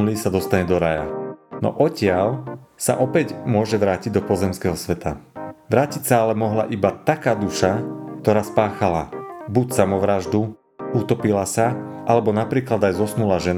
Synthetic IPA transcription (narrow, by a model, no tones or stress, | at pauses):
lisad̪ɔst̪aɲɛd̪ɔɾaja̰nɔ̰ʔɔcɪalsa̰ʔɔpɛɟmʊɔʒɛʋɾaːciɟd̪ɔpɔzɛmskɛɦɔsʋɛt̪a̰ʋɾaːcicsaalɛmɔɦla̰ʔibat̪akaːd̪uʃak̚t̪ɔɾaːspaːxala̰bucsamɔʋɾaʒd̪u | ut̪ɔpilasaʔalɛbɔnapɾiːklad̪ajzɔsnulaʒɛn